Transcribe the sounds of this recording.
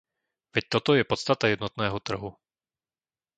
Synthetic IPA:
vɛc̚t̪ɔt̪ɔjɛpɔt̪st̪at̪ajɛd̪nɔt̪nɛːɦɔt̪r̩ɦu

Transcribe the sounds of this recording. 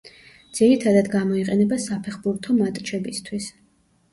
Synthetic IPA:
d̪z̥iɾit̪ʰad̪ad̪ɡamɔiqʼɛnɛbasapʰɛχbuɾt̪ʰɔmat̪ʼt͡ʃʰɛbist̪ʰwis

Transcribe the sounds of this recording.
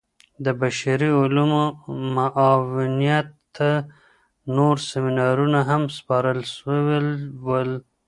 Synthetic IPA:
d̪əbaʃaɾiʊlumomaʔɑwɪnijat̪ː | a | noɾseminɑɾunaɦamspɑɾəlʃwwəl

